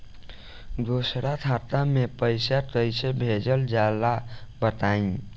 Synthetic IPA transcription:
d̪osɾat̪ʰat̪amepəɪsat̪əjsebʱed͡ʒəld͡ʒalabət̪aĩ

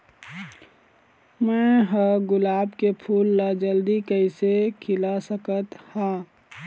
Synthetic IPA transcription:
mɛ̃ɦəɡʊlaːbkepʰuːlːad͡ʒəld̪ikəɪsekʰɪlasəkət̪haː

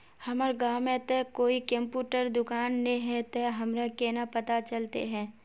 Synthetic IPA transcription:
hɐməɾɡaːwmẽt̪ekoːikə̃mpjuːʈəɾd̪ʊkaːnːeɦɛ̃t̪eɦɐmɾakeːnapɐt̪at͡ʃɐlt̪ḛɦɛ̃ː

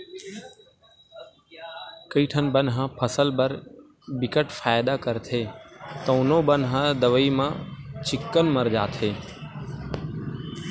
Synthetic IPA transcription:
kəiːʈʰənbənɦãːpʰəsəlbəɾ | bɪkəʈfaːjd̪aːkəɾt̪ʰeːt̪ə̃ʊnõːbənɦãːd̪əʋəiːmãːt͡ʃɪkːənməɾd͡ʒaːt̪ʰeː

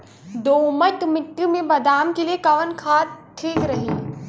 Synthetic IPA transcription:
d̪oːmət̪mɪʈ̪ːjumẽbɐd̪aːmkeliekɐʋənkʰaːʈʰiːkɾɐɦi

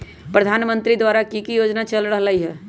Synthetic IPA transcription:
pɾəd̪ʱaːnmə̃nt̪ɾid̪waːɾakikijoːd͡ʒnat͡ʃəlɽəɦlaiɦɛː

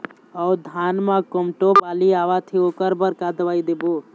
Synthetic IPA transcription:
əud̪ʱanmakomʈobaliaʋat̪ʰioːkəɾbəɾkad̪ʋaːid̪ebo

